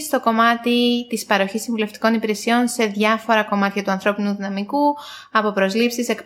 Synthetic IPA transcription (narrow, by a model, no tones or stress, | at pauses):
st̪o̞ko̞mɐt̪it̪ispɐɾo̞çisiɱvule̞ft̪i̥ko̞nipiɾe̞sio̞nse̞ðʝɐfo̞ɾɐko̞mɐt̪çɐt̪uɐnθɾo̞pinuðinɐmiku | ɐpo̞pɾo̞zlipsise̞k